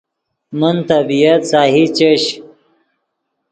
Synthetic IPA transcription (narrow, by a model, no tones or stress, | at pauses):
mənt̪ɐbijɐt̪saːɦit͡ɕeɕ